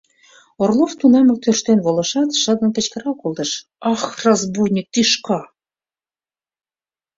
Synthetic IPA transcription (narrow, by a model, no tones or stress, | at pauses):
orlˠoft̪unɑmə̆k̚t̪ørʃt̪enβolɤ̆ʃɑt̪ʃə̆d̪ə̆nkə̆t͡ɕkə̆ɾɑkolˠt̪ɤ̆ʃ | ɑxrɑzbujnʲik̚t̪iʃkɑ